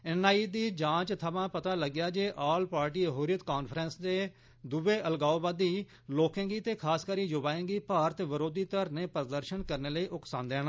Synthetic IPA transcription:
ɛnaːiːd̪iːd͡ʒãːt͡ʃt̪ʰəmãːpət̪aːləɡjaːd͡ʒeːʔaːlpaːɾʈiːəɦuːɾijət̪kaːnpʰɾɛnsd̪eː | d̪ʊʋeːʔəlɡaːoːbaːd̪iː | loːkə̃ŋɡiːt̪eːkʰaːskəɾiːd͡ʒʊbaːẽːŋɡiːpaːɾət̪ʋəɾoːd̪iːt̪əɾneːpəɾd̪əɾʃənkəɾneːləiːʔʊksãːnd̪eːn

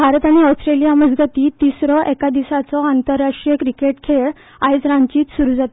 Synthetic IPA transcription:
bʱaɾət̪aɽ̃iɔsʈɾelijaməd͡zɡət̪iːt̪isɾɔʔɛkad̪isat͡sɔant̪əɾːaʂʈɾijəkɾikeʈkʰeɭ | ajd͡zɾãɲt͡ɕiːt̪suɾuːd͡zat̪e

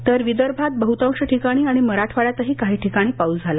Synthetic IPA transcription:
t̪əɾʋid̪əɾbʱat̪̚bəɦut̪ə̃wɕəʈʰikaɽ̃iːaɽ̃iməɾaʈʰʋaɭjat̪əɦiːkaɦiːʈʰikaɽ̃iːpaud͡zʱala

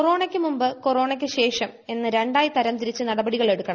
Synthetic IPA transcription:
oro̞ːɳɐkʲːɨmumbɨkoro̞ːɳɐkʲːɨɕe̞ːʂɐme̞nːɨɾe̞ɳɖaːjit̪ɐɾɐmt̪iɾit͡ɕːɨnɐɽɐbɐɽiɣɐɭe̞ɽukːɐɳɐ

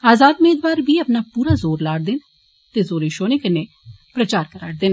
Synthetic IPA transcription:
aːzaːd̪ʊmeːd̪ʋaːɾbiːəpnaːpuːɾaːzoːɾlaːɽd̪ɪn | t̪eːzoːɾeʃoːneːkɪneː | pɾət͡ʃaːɾkəɾa̰ːʈ̚d̪ɪn

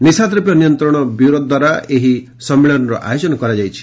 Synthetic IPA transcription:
nisad̪ɾɔpjɔnijɔnt̪ɾɔɽ̃ɔbuwɾod̪d̪waɾaeɦi | sɔmːiɭɔnɔɾɔ̰ʔa̰jod͡ʒɔnɔkɔɾad͡ʒajt͡ʃʰi̥

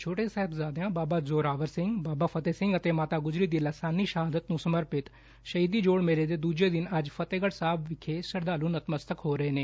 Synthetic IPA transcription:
t͡ʃʰoːʈeːsɛːɦɪbzaːd̪ejãːbaːbaːzoːɾaːʋəɾsɪ̃ŋɡbaːbaːpʰət̪eːsɪ̃ŋɡət̪eːmaːt̪aːɡʊzɾiːd̪iːləsaːniːʃəɦaːd̪ət̪nũːsəməɾpɪt̪ | ʃəɦiːd̪iːd͡ʒoːɽmeːɾeːd̪eːd̪uːd͡ʒeːd̪ɪnəd͡ʒpʰət̪eːɡəɽsaːbʋɪkʰːeːsəɾd̪aːluːnət̪məst̪əkɦoːɾəeːneː

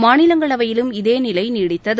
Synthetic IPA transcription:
maːnɪlɐŋɡɐɭɐʋɐjɪlɯmɪðeːnɪlɐɪniːɽɪt̪ːɐðɯ

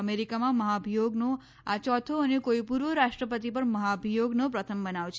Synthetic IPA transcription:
meɾikamãməɦabʱijoɡno | at͡ʃɔt̪ʰoənekoipuɾʋəɾasʈɾəpət̪ipəɾməɦabʱijoɡnopɾət̪ʰəmbənawt͡ʃʰ

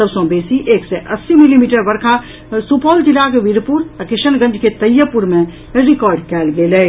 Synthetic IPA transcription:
əbsɔ̃beːsiʔeːkseʔɐsːimilimiːʈəɾʋɐɾkʰa | supɔːld͡ʒɪlakeʋiɾpuɾakɪʃənɡə̃nd͡ʒʱket̪ɐjəpʊɾmẽ | ɾɪkɔːɾɖkɛːlɡeːlɛ

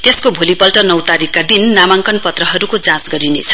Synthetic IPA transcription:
t̪eskobʱolipʌlʈʌnʌwt̪aɾikːad̪inːamaŋkʌnpʌt̪rʌɦʌɾukod͡zãsɡʌɾinḛt͡sʰʌ̥

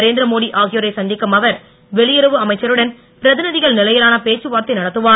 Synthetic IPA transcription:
ɐɾeːnd̪ɾɐmoːɽiʔaːɣɪjoɾɐɪsɐnd̪ɪkːɐmɐʋɐɾ | ʋɛɭɪjɪɾɐʋɯɐmɐɪt͡ʃːɐɾɯɽɐn | pɪɾɐðɪnɯðɪɣɐɭnɪlɐjɐɾaːnɐpeːt͡ʃːɯʋaːɾt̪ɐɪnɐɽɐt̪ːɯʋaː

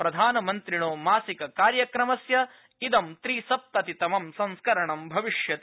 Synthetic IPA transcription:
pɾɐd̪ʱaːnɐmɐnt̪ɾiɳoːmaːsikɐkaːɾjɐkɾɐmɐsjɐ | id̪ɐmt̪ɾiːsɐp̚t̪ɐt̪it̪ɐmɐmsɐ̃nskɐɾɐɳɐmbʱɐʋiʂjɐt̪

